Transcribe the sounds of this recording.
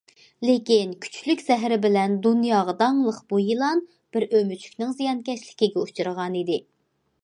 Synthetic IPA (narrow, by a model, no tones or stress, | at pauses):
lekʲinkʲʰy̥t͡ʃʰlykʲsɛɦɾɪbɪlɛnd̪unjɑːʁɑd̪ɑŋlˠəqb̥ujilˠɑn | b̥ɪɾømyt͡ʃʰy̥kʲnɪŋzijɑnkʲɛʃlɪkʲiɡʲɛut͡ʃʰɨɾəʁɑnid̪ɪ